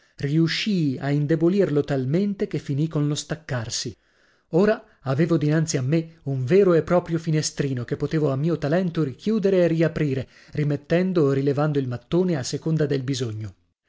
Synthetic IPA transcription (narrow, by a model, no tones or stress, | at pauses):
riuʃːiaind̪ebolirlot̪alment̪ekefːinikonlost̪akːarsi | oːɾaː | veːvod̪inant̪siamːeuɱvɛːɾoepːɾɔːpɾjofinest̪ɾiːnokepːot̪eːvoamːiːot̪alɛnt̪oɾikjuːd̪eɾeːriapɾiːɾe | rimet̪ːɛnd̪oɾilevand̪oilmat̪ːoːneasːekond̪ad̪elbizoɲːo